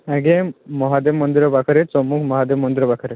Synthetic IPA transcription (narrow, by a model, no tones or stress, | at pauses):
aɡemɔɦad̪emːɔnd̪iɾɔbakʰɐɾesɔmukʰmɔɦad̪emːɔnd̪iɾɔbakʰəɾe